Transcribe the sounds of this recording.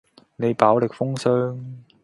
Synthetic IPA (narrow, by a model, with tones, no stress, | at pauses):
ne˨˧jpaː˨˥wlɪ˨k̚fʊ˥ŋsœː˥ŋ